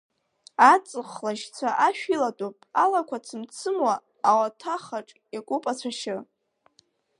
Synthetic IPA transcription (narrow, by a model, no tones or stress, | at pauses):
at͡sʼɨχlaʃt͡sʷʰaʔaʃᶣilatʼopʼalakʷʰat͡sʰɨmt͡sʰɨmwaː | watʰaχaʈ͡ʂʼ | akʷʼupʼat͡ɕʷʰaʃɪ